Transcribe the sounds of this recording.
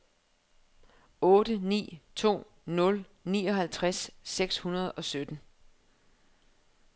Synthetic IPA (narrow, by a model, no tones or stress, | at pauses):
ɔ̽ːd̥ənḭːt͡sʰo̝̰ː | nɔ̽l | nḭːɒ̽ɦælt͡sʰʁasːeɡ̥shunɐð̞ˠɒ̽sød̥n̩